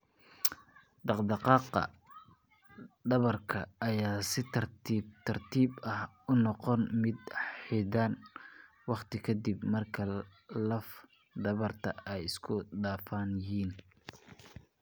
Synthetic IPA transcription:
d̪ɑqd̪ɑqɑːqɐ̰ | d̪ɐβɐrkʰɐːjaːsɪt̪ʰɐrt̪iːbt̪ʰɐrt̪ʰiːbɐh | ʊnɔqɔnmɪd̪ħɪdaːn | wɑqt̪ʰɪkʰɐd̪ibmɐrkʰɐlɐf | d̪ɐβɐrt̪ʰɐɛjɪskʰʊɖaːfaːnjhiːn

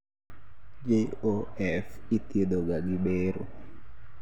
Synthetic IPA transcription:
d͡ʒeoɛfit̪jed̪oɡaɡɪɓeɾo̰

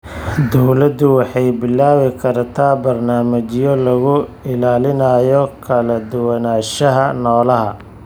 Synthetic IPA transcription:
d̪ɔwlɐd̪ʊwɑħɑjbɪlːaːwɪkʰɐrt̪ʰaːbɐrnaːmɐt͡ʃɪjɔlɐɣʊɪlaːlɪnɐjɔkʰɐlɐd̪ʊwɐnaːʃɐɦɐnɔːlɐɦɐ̰

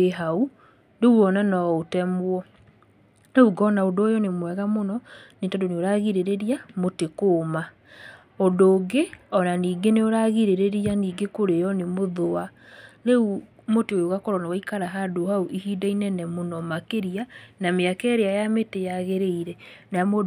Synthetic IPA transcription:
eɦau | ndeɣuɔnɛnɔotɛmwɔ | neuɡɔnaodojɔnemwɛɣamonɔnetɔdoneoɾaɣiɾeɾeɾiamotekoːma | odoːɡeɔnaniːɡeneoɾaɣiɾeɾeɾianiːɡekoɾejɔnemoðoaneu | moteojoɣakoɾɔnawaikaɾaɦadohauʔihiːdainɛnɛmonɔmakeɾianameakɛːɾeajametejaɣeɾeiɾɛnaamo

